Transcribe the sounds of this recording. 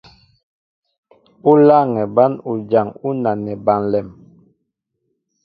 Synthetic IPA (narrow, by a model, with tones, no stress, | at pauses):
u˦la˦˨ŋɛ˨ba˦nu˨d͡ʒa˨ŋu˦na˨nɛ˨ba˦˨nlɛ˨m